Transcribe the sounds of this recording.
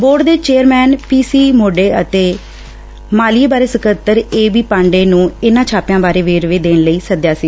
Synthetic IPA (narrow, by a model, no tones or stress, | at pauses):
boːɾɖd̪eːt͡ʃeːəɾmɛːnpiːsiːmoːɖeːə̰t̪eː | maːlieːbaːɾeːsəkət̪ːəɾeːʋiːpãːɳɖeːnũːɪnãːt͡ʃʰaːpjãːbaːɾeːʋeːɾʋeːd̪eːnləiːsəd̪jaːsiː